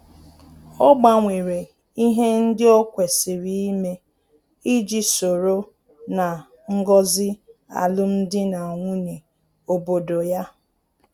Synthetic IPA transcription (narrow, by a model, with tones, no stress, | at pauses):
ɔ˦ɡ͡ba˨ŋʷe˨ɾe˨ | i˦ɦe˦n̩˦dɪ˦o˦kʷe˨sɪ˨ɾi˦i˦me˦ | i˦d͡ʒi˨so˨ɾo˦ | na˨ | ŋ̩˦ɡɔ˦zɪ˦a̰˨lʊ˦n̩˦dɪ˦na˨ŋʷʊ˦ne˨ | o˨bo˨do˨ja˦